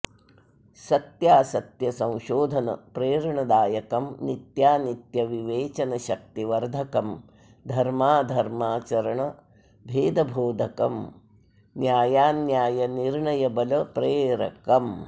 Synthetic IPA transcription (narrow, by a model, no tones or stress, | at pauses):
sɐt̪jaːsɐt̪jɐsɐ̃w̃ʃoːd̪ʱɐnɐ̰pɾeːɾɐɳɐd̪aːjɐkɐmnit̪jaːnit̪jɐʋiʋeːt͡ʃɐnɐʃɐk̚t̪iʋɐɾd̪ʱɐkɐm | d̪ʱɐɾmaːd̪ʱɐɾmaːt͡ʃɐɾɐɳɐ | bʱeːd̪ɐbʱoːd̪ʱɐkɐm | njaːjaːnjaːjɐniɾɳɐjɐbɐlɐpɾeːɾɐ̰kɐm